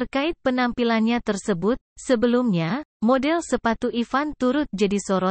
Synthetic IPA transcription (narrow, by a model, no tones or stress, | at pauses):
t̪ərkaɪt̪̚pənampilanɲat̪ərsəbʊt̪̚səbəlumɲamodɛlsəpat̪uʔifant̪uɾʊt̪̚d͡ʒadisoɾɔt̪̚